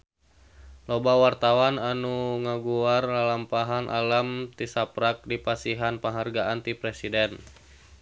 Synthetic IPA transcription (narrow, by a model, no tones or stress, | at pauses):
lɔbawart̪awananuŋaɡuarlalampaɦanʔa̰lamt̪isapɾak̚dipasiɦanpəŋɦarɡaʔant̪ipɾɛsidɛn